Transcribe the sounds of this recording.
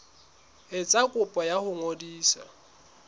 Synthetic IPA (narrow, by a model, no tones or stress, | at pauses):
ɪt͡sʼakʼʊpʼɔjahʊŋodiːsa̰